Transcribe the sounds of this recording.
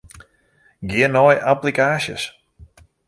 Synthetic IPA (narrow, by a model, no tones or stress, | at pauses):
ɡɪənɔjʔaplikaːʃə̰s